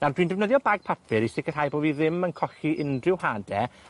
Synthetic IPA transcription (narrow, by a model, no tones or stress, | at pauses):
nadwiːndɛvnəðjɔbaɡ̚pʰapʰɪɾisɪkərhajboːviðɪmənkʰɔxiʔɪndrɪwhaːdɛ